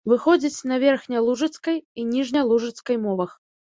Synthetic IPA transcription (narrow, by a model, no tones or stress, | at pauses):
vɨxɔd͡zʲit͡sʲnɐvʲɛrxnʲɐlˠuʐɨt̪skɐjinʲiʐnʲɐlˠuʐɨt̪skɐjmɔvɐx